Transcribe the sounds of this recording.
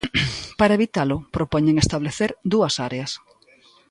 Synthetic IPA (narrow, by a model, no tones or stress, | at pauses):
paɾɐeβit̪alʊpɾopɔɲeŋest̪aβleθeɾd̪uɐsaɾeɐs